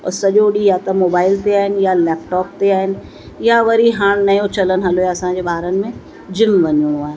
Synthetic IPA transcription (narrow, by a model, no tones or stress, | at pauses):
ɔ̰sɐʄoɗijat̪ɐmoːbaːɪlt̪eaːɦɪnɪ̆jalɛːp̚ʈɔːp̚t̪eaːɦɪnɪ̆ | jaʋɐɾiɦãːɽ̃nɐjõt͡ɕɐlənɪɦɐloɦaɐsãːɲd͡ʑebaːɦɾənɪ̆mẽ | d͡ʑɪmʋɐɲõɽ̃õaːɦẽ